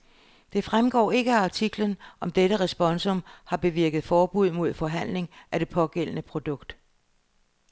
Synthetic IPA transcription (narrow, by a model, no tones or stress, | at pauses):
d̥e̝fʁamɡ̥ɒ̰ːe̝ɡ̥əɑ̈t͡sʰiɡ̥lənʔɒ̽md̥eɾəʁɛsb̥ɒ̽nsɔ̽mhɑ̈b̥e̝ʋiɐɡ̥ð̞̩ˠfɒːb̥uð̞̰ˠmo̝ð̞̰ˠfɒ̽ɦæn̰le̝ŋʔæd̥e̝pʰɒ̽ɡ̥el̰ənəpʰʁo̝d̥ɔ̽ɡ̥d̥